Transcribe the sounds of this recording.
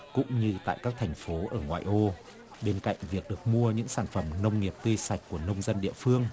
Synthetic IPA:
kʊ̰˧˥ŋ͡mɲɨ˧t̪a̰ː˧˨jkaː˦˥k̚t̪ʰɛ˨˩jŋ̟fo˨˦ʔəː˧˩ŋwa̰ː˧˨jʔo˧ | ɓe˧nka̰˧˨jŋ̟vi˨˩ək̚ɗɨ˨˩ək̚mu˧əɲɨ̰˧˥ŋsaː˧˩nfə˧˩mnə˧wŋ͡mŋi˨˩əp̚t̪ɨ˧sa˨˩jk̟̚kːu˧˩ənə˧wŋ͡mzə˧nɗḭ˧˨əfɨ˧əŋ

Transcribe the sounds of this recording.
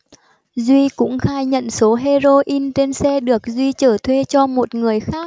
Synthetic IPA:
zwi˧kʊ̰˧˥ŋ͡mxaː˧jɲə̰˧˨nso˨˦ɦe˧zo˧ʔi˧nt͡ɕe˧nsɛ˧ɗɨ˨˩ək̚zwi˧t͡ɕəː˧˩t̪ʰwe˧t͡ɕɔ˧mo˨˩t̚ŋɨ˨˩əjxaː˦˥k̚

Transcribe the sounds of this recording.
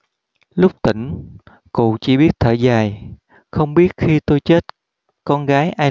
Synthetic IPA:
lʊ˦˥k͡p̚t̪ï˧˩ŋ̟ | kṵ˧˨t͡ɕi˧˩ɓi˦˥ət̚t̪ʰəː˧˩zaː˨˩j | xə˧wŋ͡mɓi˦˥ət̚xi˧t̪o˧jt͡ɕe˦˥t̚ | kɔ˧nɣaː˨˦jʔaː˧

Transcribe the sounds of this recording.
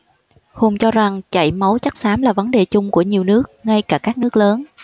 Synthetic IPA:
hu˨˩ŋ͡mt͡ɕɔ˧za˨˩ŋt͡ɕa̰˧˩jmə˨˦wt͡ɕa˦˥k̚saː˨˦mlaː˨˩və˨˦nɗe˨˩t͡ɕʊ˧ŋ͡mku˧˩əɲi˨˩əwnɨ˦˥ək̚ŋa˧jkaː˧˩kaː˦˥k̚nɨ˦˥ək̚ləː˨˦n

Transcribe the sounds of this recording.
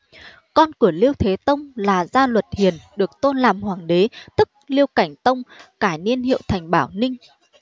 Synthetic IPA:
kɔ˧nkɨ˧˩əli˧əwt̪ʰe˨˦t̪ə˧wŋ͡mlaː˨˩zaː˧lwə˨˩t̚hi˨˩ənɗɨ˨˩ək̚t̪o˧nlaː˨˩mhwaː˨˩ŋɗe˨˦t̪ɨ˦˥k̚li˧əwka˧˩jŋ̟t̪ə˧wŋ͡mkaː˧˩jni˧ənhḭ˧˨əwt̪ʰa˨˩jŋ̟ɓaː˧˩wnï˧ŋ̟

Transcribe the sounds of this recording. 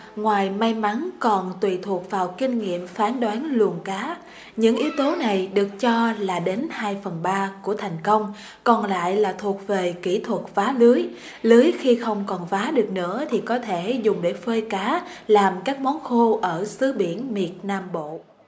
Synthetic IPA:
ŋwaː˨˩jma˧jma˨˦nkɔ˨˩nt̪wḭ˧˨t̪ʰu˨˩ək̚vaː˨˩wkï˧ŋ̟ŋḭ˧˨əmfaː˨˦nɗwaː˨˦nlu˨˩əŋkaː˨˦ | ɲɨ̰˧˥ŋʔi˨˦wt̪o˨˦na˨˩jɗɨ˨˩ək̚t͡ɕɔ˧laː˨˩ɗe˨˦nhaː˧jfə˨˩nɓaː˧ku˧˩ət̪ʰa˨˩jŋ̟kə˧wŋ͡m | kɔ˧˩nla̰ː˧˨jlaː˨˩t̪ʰu˨˩ək̚ve˨˩ki˧˩t̪ʰwə˨˩t̚vaː˨˦lɨ˨˦j | lɨ˨˦jxi˧xə˧wŋ͡mkɔ˨˩nfaː˨˦ɗɨ˨˩ək̚nɨ̰˧˥ət̪ʰi˨˩kɔ˨˦t̪ʰe˧˩zʊ˨˩ŋ͡mɗe˧˩fəː˧jkaː˨˦laː˨˩mkaː˦˥k̚mɔ˨˦nxu˧ʔəː˧˩sɨ˨˦ɓi˧˩˨ənmi˨˩ət̚naː˧mɓo̰˧˨

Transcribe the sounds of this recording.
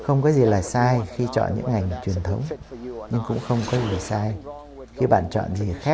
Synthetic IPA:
xə˧wŋ͡mkɔ˨˦zi˨˩laː˨˩saː˧jxi˧t͡ɕɔ̰˧˨nɲɨ̰˧˥ŋːŋa˨˩jŋ̟t͡ɕwi˨˩ənt̪ʰə˨˦wŋ͡mɲɨ˧ŋkʊ̰˧˥ŋ͡mxə˧wŋ͡mkɔ˨˦zi˨˩saː˧j | xi˧ɓa̰ː˧˨nt͡ɕɔ̰˧˨nzi˨˩xaː˦˥

